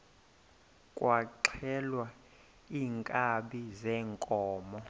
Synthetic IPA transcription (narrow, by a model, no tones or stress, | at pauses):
kʼwaǁʰɛlwa | iːŋkʼaɓizɛːŋkʼɔːmɔ